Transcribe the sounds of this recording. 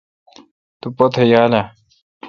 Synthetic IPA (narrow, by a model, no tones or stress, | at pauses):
t̪upot̪ʰejaːla